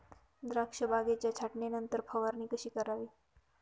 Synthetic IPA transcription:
d̪ɾakʂəbʱaɡet͡ɕjat͡ɕʰaʈnenənt̪əɾpʰəʋaɾniːkəʃiːkəɾaʋiː

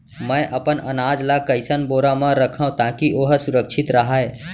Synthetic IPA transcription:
mə̃ʔɐpənənaːd͡ʒlakəɪsənboːɾamãɾəkʰəɦũt̪aːkiʔoːɦsʊɾəkʃʰɪt̪ɾɐɦaɛː

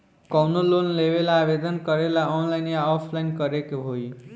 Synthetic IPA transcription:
kʌwnolonlebelaabed̪ʌnkʌɾelaɔnlajnjaɔpʰlajnkʌɾekoɦoj

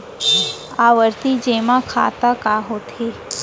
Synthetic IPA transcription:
aːʋəɾt̪id͡ʒeːmãkʰa̰ːt̪akaɦoːt̪ʰeː

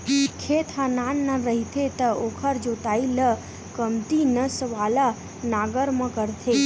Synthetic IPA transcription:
kʰet̪ʰãnanːãɾəɦit̪ʰet̪əokʰəɾd͡ʒot̪ailə | kəmt̪inəsəʋala | naɡəɾmãkəɾt̪ʰe

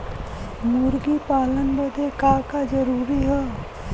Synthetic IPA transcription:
muɾɡipaːlənbəd̪ʱekakad͡ʒəɾuːɾiɦɛː

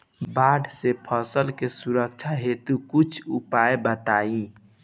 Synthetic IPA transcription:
baɖsepʰəsəlkesuɾək̚t͡ʃʰaɦet̪ukut͡ʃʰupaebət̪aːĩ

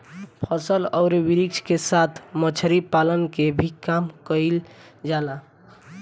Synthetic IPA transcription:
pʰəsəlɔʊɾʋiɾik̚t͡ʃʰkesat̪ʰmət͡ʃʰɾipalənkebʱikamkəɪld͡ʒala

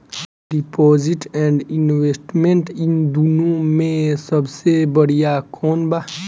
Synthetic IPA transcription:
ɖipoːziʈɛ̃ɳɖinʋesʈmẽɳʈind̪unõmẽsəbsebəɽijakʰoːnba

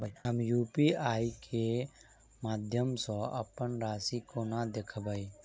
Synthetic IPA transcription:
bəɦəmjuːpiːaːikʰe | maːd̪ʱjəmsɔ̃ʔə̰pənɾaːsikonad̪ekʰbaːiː

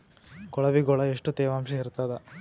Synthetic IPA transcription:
ɡɔɭɐʋiɡɔɭɐeʂʈut̪eːʋaːmʃɐɦiɾt̪aːd̪ɐ

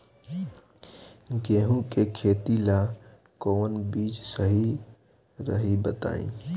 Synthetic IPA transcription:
ɡeːɦũkekʰeːt̪ila | koːnbiːt͡ʃsəɦi | ɾəɦibət̪a̰ːḭ̃

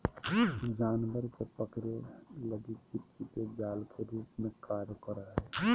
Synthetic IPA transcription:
d͡ʒaːnʋəɾkepəkɾeləɡit͡ʃɪtt͡ʃit̪ed͡ʒaːlkʰeɾuːpmẽkaːɾkəɾəɛː

